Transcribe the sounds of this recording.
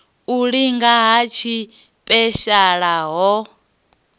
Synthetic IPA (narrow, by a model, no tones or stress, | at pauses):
uɺiŋɡaɦat͡ʃʰi | pʼɛʃaɺaɦɔ